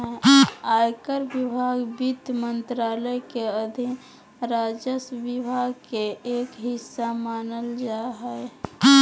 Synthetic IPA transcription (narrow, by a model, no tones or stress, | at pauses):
ajkəɾbibʱaɡbit̪mənt̪ɾaləjkeəd̪ʱi | ɾad͡ʒəsʋibʱaɡkeekɦisːamanəld͡ʒaɦəj